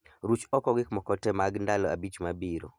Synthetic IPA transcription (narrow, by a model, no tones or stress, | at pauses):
ɾut͡ʃɔkɔɡɪkmɔkɔtɛmaɡndalɔa̰bit͡ʃmabiɾo̰